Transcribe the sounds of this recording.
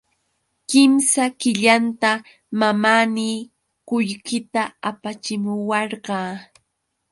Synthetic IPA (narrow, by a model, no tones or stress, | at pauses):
kɪmsakɪʎant̪a | mamaniː | kʊʎkɪt̪aapat͡ʃɪmʊwɑɾɢɑː